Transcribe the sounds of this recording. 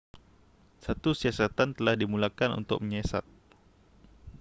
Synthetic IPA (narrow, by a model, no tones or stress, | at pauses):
sat̪usiasat̪ant̪əlahdimulakanṵnt̪ʊ̰k̚məɲɛsa̰t̪̚